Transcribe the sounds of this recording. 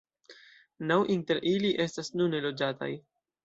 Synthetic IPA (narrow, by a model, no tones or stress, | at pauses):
nawʔinte̞ɾʔiliʔe̞stasnunːe̞lo̞d͡ʒata̰j